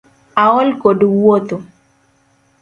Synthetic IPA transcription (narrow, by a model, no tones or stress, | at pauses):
aɔlkodowot̪o